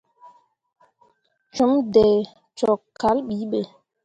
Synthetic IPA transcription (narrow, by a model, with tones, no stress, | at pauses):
t͡ʃu˨˦mdɛ˨ | t͡ʃɔ˨kːa˨˦lɓi˨˦ɓe˨